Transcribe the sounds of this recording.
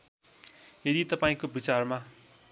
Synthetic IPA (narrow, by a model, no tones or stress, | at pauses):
jed̪it̪ʌpaĩkobit͡sarma